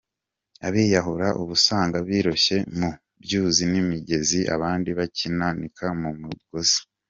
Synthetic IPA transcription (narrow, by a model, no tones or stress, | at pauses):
aβiːjaɦuɾaʔuβusaːŋɡaβiːɾoʃe̞mu | bjuːzinimiɟe̞ziʔa̰βaːndiβacinanikʰamumuɡozḁ